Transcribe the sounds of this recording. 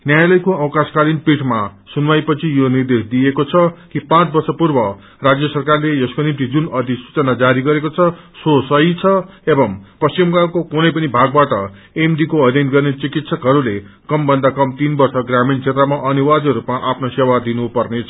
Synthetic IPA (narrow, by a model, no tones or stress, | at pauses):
njajalʌjkoʌwkãskalinpiʈʰmasunmajpʌt͡sʰijonird̪esd̪ijekot͡sʰʌkipãt͡sbʌrsʌpurbʌ | rad͡zjʌsʌrkarlejʌskonimt̪id͡zunʌd̪isu̥t͡sʌnad͡zaɾiɡʌɾekot͡sʰʌsosʌit͡sʰʌebʌmpʌst͡ɕimkakokunʌjpʌnibʱaɡ̚baʈʌ | emɖikoʌd̪ʱjʌnɡʌrnet͡sikit̪sʌkɦʌɾulekʌmbʌnd̪akʌmt̪inbʌrsʌɡramint͡sʰet̪rʌmaʔʌniwad̪ɾupmaʔapʰnosewad̪inupʌrnet͡sʰʌ